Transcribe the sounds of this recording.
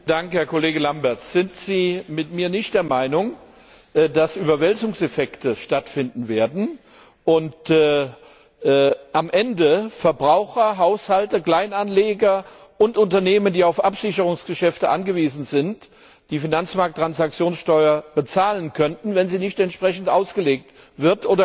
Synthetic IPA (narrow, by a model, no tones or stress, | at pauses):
d̥aŋkhɛɐkoleːɡəlambɛɐt͡sz̥ɪntz̥iːmɪtmiːɐnɪçt̚d̥eːɐmaɪnʊŋ | dasʔyːbɐvɛlzʊŋsɛfɛktʰəʃtatfɪndn̩veːɐdn̩ | ʔʊntː | ʔamʔɛndəfɛɐbʁaʊxɐɦaʊshaltɐkl̥aɪnanleːɡɐʔʊntʔʊntɐneːməndiːaʊfʔapz̥ɪçəʁʊŋsɡ̥əʃɛftəʔa̰nɡəviːzn̩zɪnt | d̥iːfinant͡smaɐk̚tːʁ̥ansak̚t͡sjoːnsʃtɔʏɐb̥ət͡saːlənkʰœntn̩vɛnziːnɪçtɛntʃpʁ̥ɛçn̩tʔaʊsɡ̥əleːk̚t | v̥ɪɐtʔoːdɐ